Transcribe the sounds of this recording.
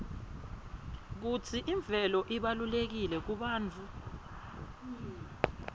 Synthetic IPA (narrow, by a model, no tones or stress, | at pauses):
k̬utʰiʔiɱb̪vʱɛlɔʔiɓalulek̬ilɛk̬uɓaːnt͡fʰu